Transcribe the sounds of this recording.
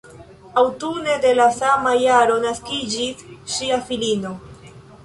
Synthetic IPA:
awtune̞de̞lasamajaɾo̞naskid͡ʒisʃiafilino̞

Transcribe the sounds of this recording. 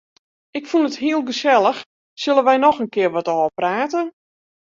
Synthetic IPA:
ɪkfunətɦiəlˠɡəsɛlˠəx | sɵlˠənʋɛjnɔxənkɪərʋɔtɔəpraːtən

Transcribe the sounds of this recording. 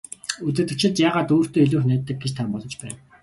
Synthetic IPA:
ut͡sɘ̆t̪ɘ̆kt͡ɕɪ̆t̪jaːʁaːt̪oːr̥t̪oːiɮuːxnæːt̪ːə̆k̚ɡet͡ɕt̪ʰampɔɮɞ̆t͡ɕpæ̰ːn

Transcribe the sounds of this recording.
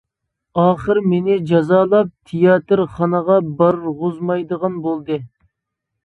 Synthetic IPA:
ɑːχəɾmenɪd͡ʒɑzɑːlˠɑp̚t̪ʰijɑt̪ɨɾχɑnəʁɑbɑɾʁʊzmɑjd̪əʁɑnbolˠd̪ɨ

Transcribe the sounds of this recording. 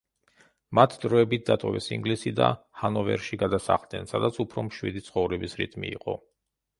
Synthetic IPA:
mat̪ʰd̪ɾɔɛbit̪̚d̪at̪ʼɔvɛ̰siŋɡlisid̪a̰ | hanɔvɛ̰ɾʃiɡad̪asa̰χlˠd̪ɛnsad̪at̪sʰupʰɾɔmʃwḭd̪it̪sʰχɔvɾɛbisɾḭt̪ʰʼmiiqʼɔ̰

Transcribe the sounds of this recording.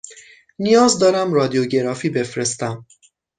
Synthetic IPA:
nijɒːzd̪ɒːɾæmrɒːd̪ijoɟe̞ɾɒːfiːbe̞fɾe̞st̪æm

